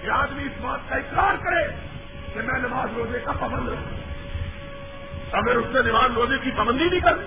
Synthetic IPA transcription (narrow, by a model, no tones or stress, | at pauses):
jeaːd̪miɪsmaːt̪̚kaɪkɾaːɾkɐɾeː | kemɛ̃ːnɐʋaːzɾoːzekapɐbə̃nd̪ɦṵ̃ | ɐɡəɾʊsːenɪʋaːzɾoːzekipɐbə̃nd̪inĩkɐɾ